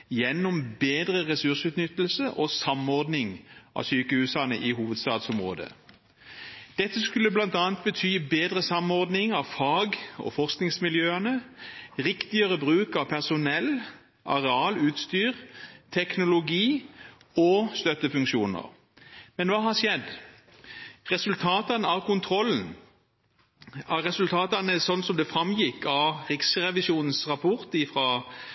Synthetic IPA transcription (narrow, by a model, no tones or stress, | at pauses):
jɛnːɔmbeːd̪ʁəʁɛsʉʁsʉːt̪nʏt̪ːlsəʔɔsɑmɔʁd̪nɪŋʔɑ̰syːkəhʉːsɑnə̰ʔɪhuːʋəd̪st̪ɑːd̪sʊmʁo̰ːd̪ə̰ | d̪̥ɛt̪ːəskʉlːəblɑnt̪ɑːnt̪̚bət̪ʰyːbeːd̪ʁəsɑmɔʁd̪nɪŋɑʋfɑːɡɔ̰fɔʁsknɪŋsmɪljøːənəʁɪkt̪ɪəʁəbʁʉːkɑʋpʰæʁsʊnɛlː | ʔɑ̰ʁɛɑːlʉːt̪st̪yːʁt̪ʰɛknʊlʊɡiː | ɔst̪œt̪əfʉŋkʃuːnə̰ʁ | mɛnʋɑːɦɑʂjɛd̪ | ʁɛsʉlt̪ʰɑːt̪ɑnəɑkʊnt̪ʰʁɔlːn̩ | æʁɛsʉlt̪ʰɑːt̪ɑnəsɔnːsɔmd̪ɛfʁɑmjɪkːɑʁɪksʁɛʋɪsuːnn̩sʁɑpʰɔʁt̪ɪfʁɑː